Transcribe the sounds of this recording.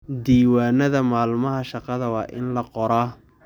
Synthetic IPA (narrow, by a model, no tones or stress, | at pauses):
d̪iːwaːnɐðɐmaːlmɐɦɐʃɑqɑðɐwɑːʔɪnlɐqɔɾaː